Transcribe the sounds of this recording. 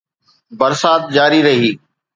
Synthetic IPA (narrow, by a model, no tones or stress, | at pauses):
bɐɾsaːt̪̚d͡ʑaːɾiɾɐɦiː